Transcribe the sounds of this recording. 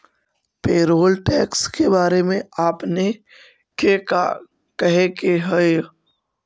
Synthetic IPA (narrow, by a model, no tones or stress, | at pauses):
peːɾoːlʈɛːkskebaːɾemẽaːpne | keːka̰ | kəɦekeɦəe